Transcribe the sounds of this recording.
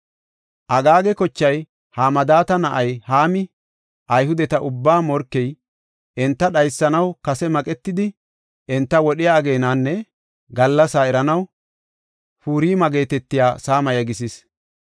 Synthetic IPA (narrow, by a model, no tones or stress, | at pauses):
ʔɐɡaːɡɛkɔt͡ʃːɐj | haːmɐd̪aːt̪ɐnɐʔɐjhaːmɪ | ʔɐjɦʊd̪ɛt̪ɐʔʊbːaːmɔɾkːɛj | ʔɛnt̪ːɐɗɐjsːɐnɐwkɐsɛmɐkʼɛt̪ːɪd̪ɪ | ʔɛnt̪ːɐwɔɗɪjaɡe̞ːnaːnːɛ | ɡɐlːɐsaːɛɾɐnɐw | fuːɾiːmɐɡe̞ːt̪ɛt̪ːɪjaːsaːmɐjɐɡɪs̬ɪs